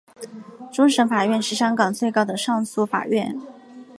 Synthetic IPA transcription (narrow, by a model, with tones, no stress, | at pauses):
ʈ͡ʂʊ˥ŋʂɤ˧˥fa˨˩ɥɛ˥˧nʂɻ̩˥˩ɕjɑ˥ŋkɑ˨˩ŋt͡swe˥˩ɪkɑ˥ʊd̪ə˨ʂɑ˥˧ŋsu˥˩fa̰˨˩ɥɛ˥˩n